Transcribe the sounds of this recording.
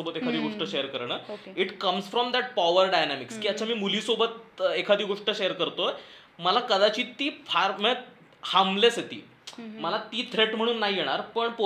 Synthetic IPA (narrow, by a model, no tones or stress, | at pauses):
obət̪ekʰad̪iːɡoʂʈəɕejəɾkəɾɳ̃əːoiʈkəmsfɾɔmd̪æʈ̚paʋəɾɖajnæmikskiːət͡ɕʰamiːmuliːsobət̪ekʰad̪iːɡoʂʈəɕejəɾkəɾt̪o | məlakəd̪at͡ɕiːt̪iːfaɾmẽ | hamleset̪ḭː | məlat̪iːt̪ʰɾeʈm̤əɽ̃uːnːaɦijeɽ̃aɾpəɳpo